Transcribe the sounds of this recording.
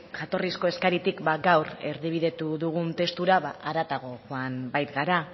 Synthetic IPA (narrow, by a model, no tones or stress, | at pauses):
ʝat̪o̞risko̞e̞skaɾit̪ikbaɡawɾe̞ɾðiβ̞iðe̞t̪uðuɣunt̪e̞st̪uɾaβaʔaɾat̪aɣ̞o̞ʝuanbajt̪ɡaɾa